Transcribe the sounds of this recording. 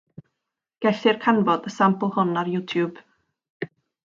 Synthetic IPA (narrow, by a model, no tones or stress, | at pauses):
ɡ̥ɛθɪrkʰanvɔdəsamplˠhʊnarjuːtʰjub̥